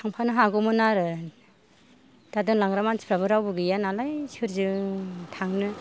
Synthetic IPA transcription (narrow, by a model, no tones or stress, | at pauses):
tʰaŋpʰanɯɦaɡɔmɯnaɾɯ | d̥adɯŋlaŋɾamansi̥pʰɾaβɯɾawbɯɡɯjanalajsɯɾzɯtʰaŋnɯ